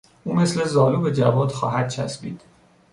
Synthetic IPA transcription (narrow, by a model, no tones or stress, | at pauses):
ʔuːme̞sle̞zɒːluːbe̞d͡ʒævɒːd̪̥xɒ̰ːɦæd̪̥̚t͡ʃʰæsbiːd̪̥